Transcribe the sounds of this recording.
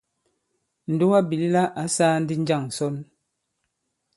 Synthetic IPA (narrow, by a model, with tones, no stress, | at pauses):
n̩˨du˦a˦bi˨li˦la˦ʔa˨˦saː˦n̩˦di˦n̩˦d͡ʒa˦˨ŋ̩˨sɔ˦n